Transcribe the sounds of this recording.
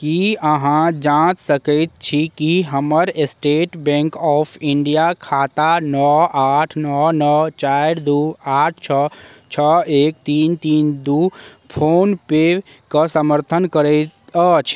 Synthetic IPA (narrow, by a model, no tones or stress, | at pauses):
kiəɦãd͡ʒãt̪səkət̪̚t͡ʃʰikiɦəməɾesʈeːʈbɛ̃ŋkɔːpʰiɳɖijakʰaːt̪anɔaːʈʰnɔnət͡ʃaɾd̪uːaːʈʰt͡ʃʰət͡ʃʰəeːk̚t̪iːnt̪iːnd̪u | pʰoːnpe | kəsəməɾt̪ʰənkəɾət̪ət͡ʃʰ